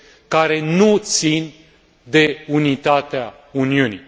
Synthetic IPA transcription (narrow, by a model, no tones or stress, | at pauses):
kaɾe̞nut̪sin | d̪e̞unit̪at̪ea | uniunḭ